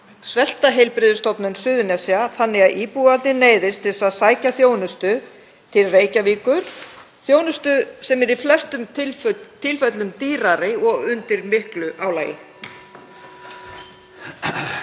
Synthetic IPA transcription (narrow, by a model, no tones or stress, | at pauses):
svɛl̥t̪aɦejlpɾɪðʏst̪ɔpnʏnsʏːðʏnɛsiaθanːɪɣaðʔiːpuɣat̪ɪneːjðɪst̪ʰɪsaðsaːjcaθjoːwnʏst̪ʏ | t̪ʰɪlreːjcaviːkʏɾ̥ | θjoːwnʏst̪ʏsɛmɛɾiflɛst̪ʏmt̪ʰːɪlfœt̪lʏmt̪iːɾaɾɪɔɣʏnt̪ɪɾmɪhklʏʔaːwlaːjɪ̰